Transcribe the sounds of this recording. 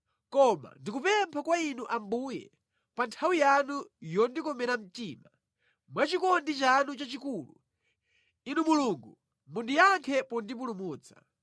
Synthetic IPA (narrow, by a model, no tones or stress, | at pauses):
kɔma̰ndikupɛmpʰakwainuʔambuːjɛ̰ | pantʰawijanujɔndikɔmɛɾam̩tiːma | mwat͡ʃikɔndit͡ʃanut͡ʃat͡ʃikuːlṵ | inumuluŋɡu | mundijaŋkʰɛpɔndip̬ulumuːt͡sḁ̰